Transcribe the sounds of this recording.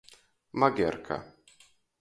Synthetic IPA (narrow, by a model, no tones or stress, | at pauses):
maɡʲɛ̰ɾkʰa̰